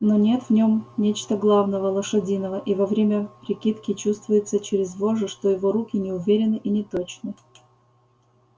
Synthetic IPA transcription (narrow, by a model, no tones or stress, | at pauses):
no̞nʲe̞t̪vnʲo̞mnʲet͡ɕt̪əɡlˠavnəvəlˠəʂɐdʲinəvəʔivɐvɾʲemʲəpɾʲɪkʲit̪kʲɪt͡ɕust̪vʊjɪt̪sət͡ɕɪɾʲɪzvoʐɨʂt̪ojɪvo̞ɾukʲɪnʲɪʊvʲeɾʲɪnɨʔinʲɪt̪ot͡ɕnɨ